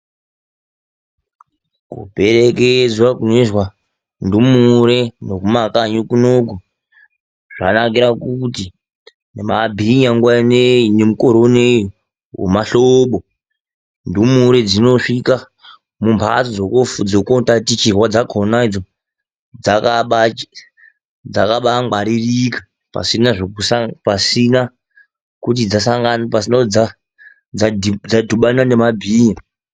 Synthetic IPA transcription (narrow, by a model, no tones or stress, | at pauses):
kṵbʱe̞ɾeked͡zwakuneʐwa | ndumuɾenokumakaɲukunok̬u | ʐa̰nakiɾakuti | nemabʱiɲaŋɡwanenemukoɾone | wḛmaɬoɓo | ndumuɾed͡zinoʂika | mumpʰa̰t͡sod͡zokofud͡zokotatit͡ʃirwad͡zakʰonaid͡zo | d͡zakaɓa | d͡zakaɓaŋɡ͡baɾirikḁ | pa̰sinaʐokusapasina | kut̬id͡zasaŋɡanpasinad͡za | d͡zad͡zadʱuɓananemabʱiːɲa